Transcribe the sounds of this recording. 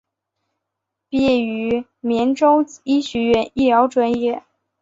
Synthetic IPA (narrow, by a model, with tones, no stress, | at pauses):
pjɛ˥˩y˧˥mjɛ˧˥nʈ͡ʂo˥ʊi˥ɕɥɛ˧˥ɥɛ˥˧ni˥˩ljɑ˧˥ʊʈ͡ʂwa˧˥njɛ˥˩